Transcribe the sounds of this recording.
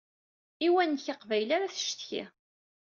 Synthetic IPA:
iwænçəqvæjlaɾaθə̥ʃt̪çḭ

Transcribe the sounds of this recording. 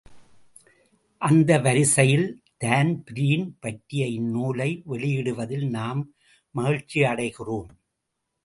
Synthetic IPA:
ʔɐnd̪ɐʋɐɾɪsɐjɪlt̪aːnpɪɾiːnpɐʈɾɪjɐɪɪnːuːlɐɪʋɛɭɪjɪɽɯʋɐðɪlnaːmː | ɐɣɪɻt͡ʃːiɐɽɐɪɣɪroːm

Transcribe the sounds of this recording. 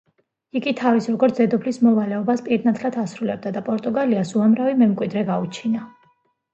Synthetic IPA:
iɡit̪ʰavisɾɔɡɔɾt̪szɛd̪ɔpʰlismɔvalɛɔbaspʼiɾnat̪ʰlat̪ʰasɾulɛb̚d̪ad̪apʼɔɾt̪ʼuɡaliasuamɾavimɛmkʼwid̪ɾɛɡaut͡ʃʰina

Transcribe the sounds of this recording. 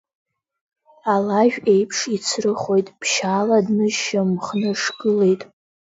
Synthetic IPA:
alaʒᶣejpʰʂit͡sʰrɨχo̞jtʼpʰʃaːladnɨʒʃamχnɨʂɡɨle̞jtʼ

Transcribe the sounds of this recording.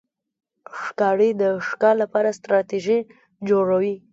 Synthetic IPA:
ʂkɑɽid̪əʂkɑlapɑɾast̪ɾɑt̪iʒi | d͡ʒoɽawi

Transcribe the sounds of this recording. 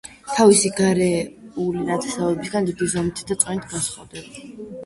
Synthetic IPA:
t̪ʰavisiɡaɾɛulinat̪ʰɛ̥savɛbisɡand̪id̪izɔmt̪ʰd̪at̪sʼwɛnit̪ʰɡasχʼɔd̪ɛba

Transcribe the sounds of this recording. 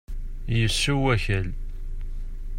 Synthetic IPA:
jəsːuwæçəl

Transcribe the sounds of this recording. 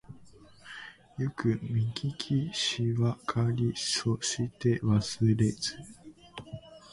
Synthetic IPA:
jokɯ̟mʲĩŋkʰʲikʲʰiɕiβakʰaɾʲisoɕit̪e̞βasɨɾe̞d͡zɨ

